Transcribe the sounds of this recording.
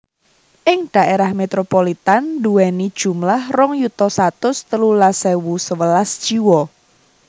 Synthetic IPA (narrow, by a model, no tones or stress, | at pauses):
ʔɪŋd̪̥a̤ʔeɾahmet̪ɾopolit̪anduɛnid̥ʒ̥ṳmlahrɔŋjut̪ɔsat̪ʊst̪əlulasɛwusəwəlasd̥ʒ̥iwɔ